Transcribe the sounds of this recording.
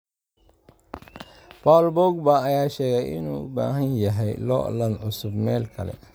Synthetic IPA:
bɔlbɔɡ̚bɐːjaːʃɛːɣɛjʔɪnṵːʊ̰ba̰ːɦɐnjɐɦɛjlɔ̰ːlɐnʕʊsʊbmɛːlkʰɐlɛ̰

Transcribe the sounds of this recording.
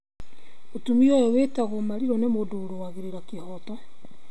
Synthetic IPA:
otumiɔjɔwetaɣɔmaɾiɾɔnemodoːɾowaɣeɾeɾakehɔtɔ

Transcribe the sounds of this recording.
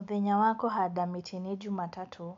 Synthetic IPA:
ðɛɲawakɔɦaɗamitʰiniʄumatatʰu

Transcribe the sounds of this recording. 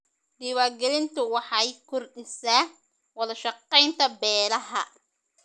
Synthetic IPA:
ɖɪwaːɡɛlɪnt̪ʊwɑħɑjkʰʊrɖɪsaː | wɐðɐʃɑqːɛjnt̪ʰɐbɛːlɐɦɐ

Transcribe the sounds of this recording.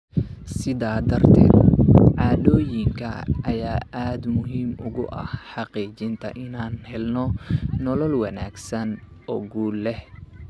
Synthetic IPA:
sɪðaːd̪ɐrt̪ʰɛ̰ːd̪ʕɑːdɔːjɪŋkʰɐ̰ʔɐjaːʔaːd̪mʊɦiːmʊɣʊ̰ʔɐ̰hħɑqiːt͡ʃɪnt̪ʰɐ̰ʔɪnaːnhɛlnɔnɔlɔlwɑna̰ːɡsɐnɔːɡuːlːɛh

